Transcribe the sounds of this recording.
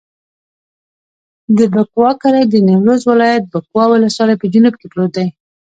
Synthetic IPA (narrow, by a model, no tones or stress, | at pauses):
d̪əbakwɑkaɾajd̪ənewɾozwɪlɑjat̪̚bakwɑwɪlaswɑlajpəd͡ʒʊnubkeplod̪aj